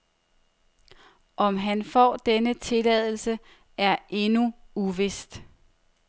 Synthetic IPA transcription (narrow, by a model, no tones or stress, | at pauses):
ʔɒ̽mɦænfɒ̰ːd̥enət͡sʰe̝lɛð̰ˠl̩sə | æɐʔe̝nuuʋe̝sd̥